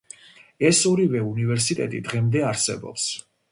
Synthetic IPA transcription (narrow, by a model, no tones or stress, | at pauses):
ɛsɔɾivɛunivɛɾsit̪ʼɛ̰t̪ʼid̪ʁɛmd̪ɛaɾsɛ̰bɔ̰ps